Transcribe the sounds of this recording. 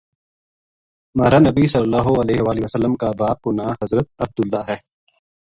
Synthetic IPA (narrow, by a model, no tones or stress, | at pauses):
mɐːɾaːnɐbisɐlːlːaːɦoɐleːɦʋaːliʋɐsɐlːəmkabaːb̚kʊnaːɦɐzɾət̪̚ɐb̚d̪ʊlːaːɦɛː